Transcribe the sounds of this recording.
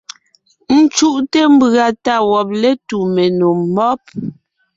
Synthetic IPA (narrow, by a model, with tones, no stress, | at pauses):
n̩˦t͡ʃu˦ʔte˦m̩˦bɣa˨ta˦˨wɔ˨p̚le˦tu˨me˨nu˨mːɔ˦p̚